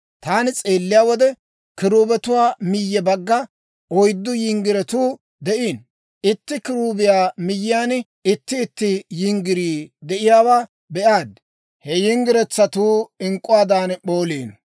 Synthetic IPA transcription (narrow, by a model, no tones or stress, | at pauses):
t̪aːnɪt͡sʼeːlːɪjaːwɔd̪ɛ | kɪɾuːbɛt̪ʊwaːmɪjːɛbɐɡːɐ | ɔjd̪ːʊjɪŋɡɪɾɛt̪uː | d̪ɛʔiːn | ɪt̪ːɪkɪɾuːbɪjaːmɪjːɪjaːn | ɪt̪ːɪːt̪ːɪjɪŋɡɪɾiːd̪ɛʔɪjaːwaː | bɛʔaːd̪ | hɛjɪŋɡɪɾɛt͡sːɐt̪uːɪŋkʼːʊwaːd̪aːnɓoːleːn